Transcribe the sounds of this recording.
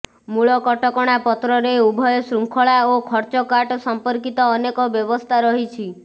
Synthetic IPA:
muɭɔkɔʈɔkɔɽ̃apɔt̪ɾɔɾeubʱɔjɔsɾuŋkʰɔɭaokʰɔɾt͡ʃɔkaʈɔsɔmpɔɾkit̪ɔːnekɔbjɔbɔst̪ʰaɾɔɦit͡ʃʰi

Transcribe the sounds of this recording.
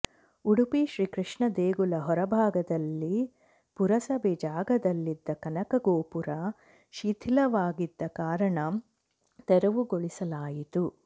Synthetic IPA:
uɽupiʃɾiːkɾiʂɳɐd̪eːɡulɐɦɔɾɐbʱaːɡɐd̪ɐlːi | puɾɐsɐbʱɛd͡ʒaːɡɐd̪ɐlːid̪ːɐkɐnɐkɐɡoːpuɾɐ | ʃit̪ʰilɐʋaːɡid̪ːɐkaːɾɐɳɐ | t̪ɛɾɐʋuɡoɭisɐlaːjit̪u

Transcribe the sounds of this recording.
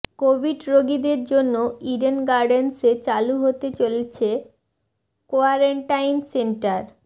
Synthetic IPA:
kobʱiɖɾoɡid̪eɾd͡ʑonːoiɖenɡaɾɖenset͡ɕaluɦot̪et͡ɕolet͡ɕʰe | koaɾeɳʈajnseɳʈaɾ

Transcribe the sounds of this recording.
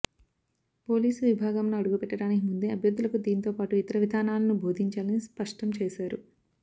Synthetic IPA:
po̞ːliːsuʋibʱaːɡɐmnuɐɽuɡupɛʈːɐɽaːnikimund̪eɐbʱjɐɾd̪ʱːulɐkud̪iːnit̪oːpaːʈuit̪ɐɾɐʋid̪ʱaːnaːlɐnubʱo̞ːd̪ʱiɲt͡ʃaːlɐnispɐʂʈɐmt͡ʃɛːʃaːɾu

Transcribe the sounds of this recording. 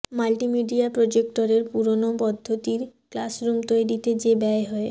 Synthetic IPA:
malʈimiɖiapɾod͡ʑek̚ʈoɾeɾpuɾonopɔd̪ʱːot̪iɾklasɾumt̪oeɾit̪ed͡ʑebɛeɦɔe

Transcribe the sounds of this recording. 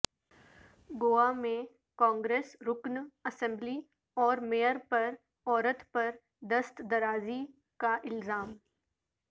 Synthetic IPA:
ɡoːamẽ | kãːŋɡɾeːsɾʊknɐsɛ̃mbli | ɔːɾmeːəɾpɐɾ | ɔːɾət̪pɐɾ | d̪əst̪d̪ɐɾaːzi | kaʔɪlzaːm

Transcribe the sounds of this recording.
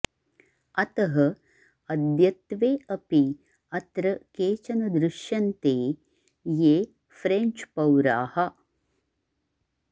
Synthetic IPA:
ɐt̪ɐɦɐ | ɐd̪jɐt̪ʋeːɐpi | ɐt̪ɾɐkeːt͡ʃɐnɐd̪ɾɪʃjɐnt̪eː | jeː | fɾeɲt͡ʃpɐwɾa̰ːhɐ

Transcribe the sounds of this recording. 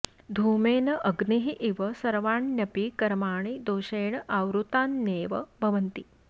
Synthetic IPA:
d̪ʱuːmeːnɐʔɐɡniɦiʔiʋɐsɐɾʋaːɳnɐpikɐɾmaːɳ̃id̪oːʃeːɳɐʔaːʋwɾut̪aːnːeːʋɐbʱɐʋɐnt̪i

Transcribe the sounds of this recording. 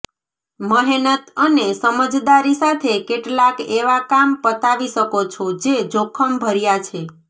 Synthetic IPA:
məɦenət̪ənesəməd͡ʒd̪aɾisat̪ʰekeʈlakeʋakampət̪aʋiʃəkot͡ʃʰod͡ʒed͡ʒokʰəmbʱəɾjat͡ʃʰe

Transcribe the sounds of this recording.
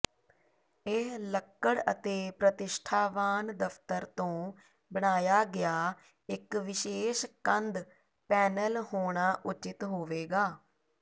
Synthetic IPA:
eɦləkːəɽət̪eːpɾət̪ɪʃʈʰaːʋaːnd̪əpʰt̪əɾt̪õː | bəɽ̃aːjaːɡɪjaː | ɪkʋɪʃeːʃkənd̪ | pɛːnəlhoːɽ̃aːʔʊt͡ʃɪt̪ɦoːʋeːɡaː

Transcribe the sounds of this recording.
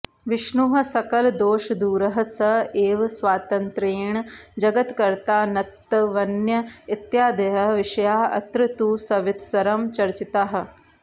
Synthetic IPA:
ʋɪʃɳuɦɐ̆sɐkɐld̪oːʃɐd̪uːɾɐɦɐ̆sɐeːʋsʋaːt̪ɐnt̪ɾeːɳd͡ʒɐɡɐt̪kɐɾt̪aːnɐt̪ːɐʋɐnjɐit̪jaːd̪ɐɦɐʋɪʃɐjaːɐ̰t̪ɾɪt̪uːsɐʋɪt̪ʰsɐɾɐmt͡ʃɐɾt͡ʃit̪aɦɐ̆

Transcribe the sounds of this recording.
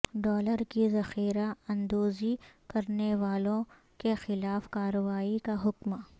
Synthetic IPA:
ɖɔːləɾkizɐxiːɾaɐ̃nd̪oːzikɐɾneʋaːlõ | kexɪlaːfkaːɾəʋaːikaɦʊkmaː

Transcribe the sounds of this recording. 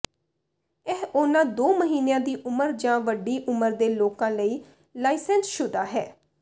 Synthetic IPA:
ɛɦonãːd̪oːməɦiːnjãːd̪iːʔʊməɾd͡ʒãːʋəɖiːʔʊməɾd̪eːloːkãːləiː | laːisɛnsʃʊd̪aːɦɛ̰ː

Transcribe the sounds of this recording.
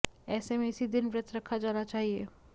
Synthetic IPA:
ɛːsemẽɪsid̪ɪnʋɾɪt̪ʰɾɐkʰːad͡ʒaːnat͡ʃaːɦiḛː

